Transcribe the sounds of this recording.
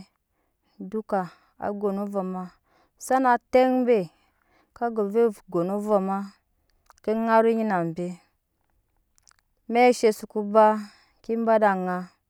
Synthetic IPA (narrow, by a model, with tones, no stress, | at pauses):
du˦ka˨ | a̰˨ɡo˨nu˦va˨ma˦ | sa˦na˨te˦ŋ˦be˨ | ka˦ɡo˨ve˦˨ɡo˨nu˦va˨ma˦ | ki˦ŋa˦ɾu˦ɲi˦na˨m˨be˦ | me˦ʃe˨su˨ku˦ba˦ | ki˦m˦ba˦da˨ŋa˦